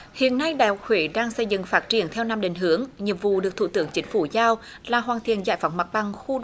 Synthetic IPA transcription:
hḭ˧˨ənːa˧jɗaː˧˨jhʊ˨˩k̚hwe˧˩ɗaː˧ŋsə˧jzɨ̰˧˨ŋfaː˦˥t̚t͡ɕi˧˩ənt̪ʰɛ˧wna˧mɗe˨˩ŋ̟ɦɨ˨˦əŋɲi˨˩əp̚vṵ˧˨ɗɨ˨˩ək̚t̪ʰṵ˧˨t̪ɨ˨˧˦əŋt͡ɕï˨˦ŋ̟fu˧˩zaː˧w | laː˨˩ɦwaː˨˩nt̪ʰḭ˧˨ənza̰ː˧˩˨jfa˨˦wŋ͡mma˨˩t̚ɓa˨˩ŋxu˧

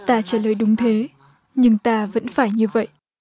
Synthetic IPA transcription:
t̪aː˧t͡ɕaː˧˩ləː˨˩jɗʊ˨˦ŋ͡mt̪ʰe˨˦ | ɲɨ˧ŋt̪aː˧və̰˧˥nfaː˧˩jɲɨ˧və̰˧˨jʔ

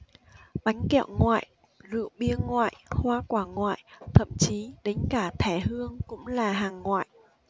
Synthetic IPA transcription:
ɓa˨˦jŋ̟kḭ˧˨wŋwa̰ː˧˨jʔ | zɨ̰˧˨əwɓi˧əŋwa̰ː˧˨jʔhwaː˧kwaː˧˩ŋwa̰ː˧˨jt̪ʰə̰˧˨mt͡ɕi˨˦ɗe˨˦nkaː˧˩t̪ʰɛ˧˩hɨ˧əŋkʊ̰˧˥ŋ͡mlaː˨˩ɦaː˨˩ŋːwa̰ː˧˨j

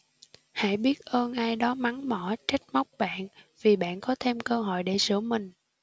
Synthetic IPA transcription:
ha̰˧˩˨jɓi˦˥ət̚ʔəː˧nʔaː˧jɗɔ˨˦ma˨˦ŋmə̰˧˩t͡ɕa˦˥jk̚ma˦˥wk͡p̚ɓa̰ː˧˨nvi˨˩ɓa̰ː˧˨nkɔ˨˦t̪ʰe˧mkəː˧ɦɔ̰˧˨jɗe˧˩sɨ̰˧˩əmï˨˩ŋ̟

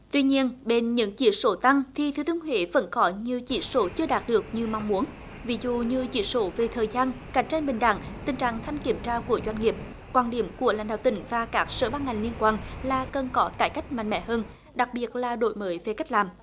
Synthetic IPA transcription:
t̪wi˧ɲi˧ənɓe˧˩nɲɨ̰˧˥ŋt͡ɕḭ˧˦so˧˦t̪a˧ŋt̪ʰi˨˩t̪ʰɨ˨˦t̪ɨ˧ənɦwḛ˧˦və̰˧˥nkɔ˨˦ɲɨ˧t͡ɕḭ˧˩˦so˧˦t͡ɕɨ˧əɗaː˨˩t̚ɗɨ˨˩ək̚ɲɨ˧ma˧˨wŋ͡mmu˨˦ən | vi˨˦zṵ˧˨ɲɨ˧t͡ɕḭ˧˩so˧˦ve˨˩t̪ʰəː˨˩jzaː˧nka˨˩˦jŋ̟t͡ɕa˧jnɓï˨˩ŋ̟ɗa̰ː˧˨ŋt̪ï˨˩ŋt͡ɕa̰ː˧˨ŋt̪ʰa˧jŋ̟ki˧˩əmt͡ɕaː˧ku˧˩əzwa˧jŋ̟ŋi˨˩əp̚ | kwaː˧˩nɗi˧˩əmku˧˩əla̰˧˥ŋ̟ɗaː˧˨t̪ï˧˩˦ŋ̟vaː˨˩kaː˦˥k̚sə̰ː˧˩ɓaː˧nŋa˨˩ŋli˧ənkwaː˧˩nlaː˨˩kə˨˩nkɔ˨˦t̪aː˧˩jka˦˥jk̟̚ma̰˧˨ŋ̟mɛ̰˧˥ɦəː˧n | ɗa˨˩k̚ɓi˨˩ət̚laː˨˩ɗo̰˧˨jməː˨˦jve˨˩ka˦˥k̟̚laː˨˩m

